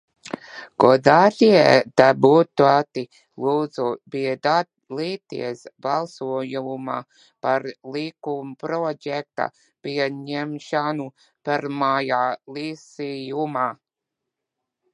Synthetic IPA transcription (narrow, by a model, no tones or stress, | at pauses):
ɡ̥ɔd̪aːt̪ʲiɛd̪̥abut̪uat̪i | luːd̪zubiɛd̪a | liːt̪ḭɛsbalˠsuɔjuma̰ | paɾlˠikumpɾɔjɛk̚t̪a̰ | piɛɲɛmʃanu | pɛɾmajaːlisijuma